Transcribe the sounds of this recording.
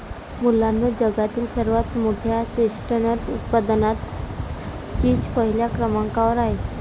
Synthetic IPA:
mulːanʋəd͡ʑəɡat̪iːlsəɾʋat̪moʈʰjat͡ɕesʈənəɾʈut̪pad̪nat̪ | t͡ɕiːd͡ʑpəɦiljakɾəmaŋkaʋəɾaɦe

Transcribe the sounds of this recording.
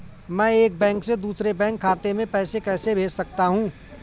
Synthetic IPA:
mɛ̃ːeːk̚bɛ̃ːŋksed̪uːsɾebɛ̃ːŋkʰːaːt̪emẽpɛːsekɛːsebʱeːd͡ʒsɐk̚t̪aɦũː

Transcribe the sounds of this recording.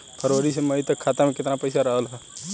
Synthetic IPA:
pʰəɾʋəɾisemɐɦit̪ɐkʰːaːt̪amẽkɪt̪napəɪsaɾəɦəlɦɛ

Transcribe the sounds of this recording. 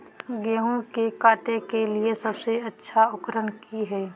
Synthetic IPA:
ɡɛːɦũkekaːʈekeliesɐbseɐtːʃʰaʊkɾənkiɦɛː

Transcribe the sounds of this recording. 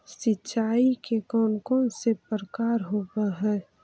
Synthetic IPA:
sɪtːʃaːikekɔːnkõːnsepɾəkaːɾɦoːɡaɦɛː

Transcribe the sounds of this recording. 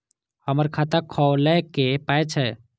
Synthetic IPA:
həməɾkʰat̪əkʰɔwlɛkepajt͡ʃʰɛ

